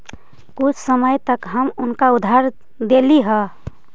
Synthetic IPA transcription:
kʊt͡ʃʰsəməjt̪əkɦəmʊnkaʊd̪ʱaɾ | d̪eliɦə

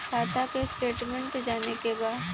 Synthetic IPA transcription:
kʰaːt̪akesʈeːʈmɛ̃ɳʈd͡ʒaːnekebaːd̪

